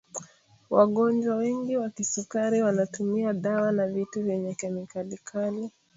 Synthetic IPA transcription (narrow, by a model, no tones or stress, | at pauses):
waɠɔnd͡ʒwawɛŋɡiwakisukaɾiwanatumiaɗawanavituvjɛɲɛkɛmikalikʰali